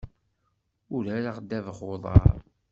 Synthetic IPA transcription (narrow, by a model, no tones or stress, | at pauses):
ʊɾæɾaʁd̪ːævəχoðˤɑ̰ɾˤ